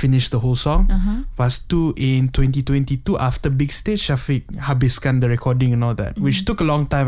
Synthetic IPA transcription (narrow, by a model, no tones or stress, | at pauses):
finɪʃdəɦolsɔ̃ŋfastuʔĩntwɛ̃ntitwɛ̃ntituʔaftəbiɡstet͡ʃʃafik̚habiskãndəɹɛkʰɔdĩŋɛ̃nɔldɛ̰t̚wit͡ʃtukəlɔ̃ŋtãj̃m